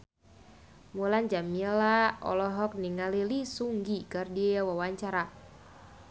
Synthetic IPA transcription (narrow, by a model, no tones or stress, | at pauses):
muland͡ʒamilaɔ̰lɔɦɔk̚niŋalilisuŋɡikardiawawaɲt͡ʃaɾa